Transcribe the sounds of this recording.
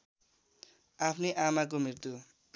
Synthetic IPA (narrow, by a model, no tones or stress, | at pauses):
apʰneʔamak̬omirt̪u